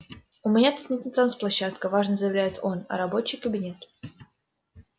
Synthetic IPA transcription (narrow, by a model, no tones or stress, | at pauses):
ʊmʲɪnʲat̪ut̪nʲɪt̪nʲɪt̪ɾansplˠɐɕːat̪kəvaʐnəzəjɪvlʲæjɪt̪o̞nɐ̰ɾɐbo̞t͡ɕɪjkəbʲɪnʲe̞t̪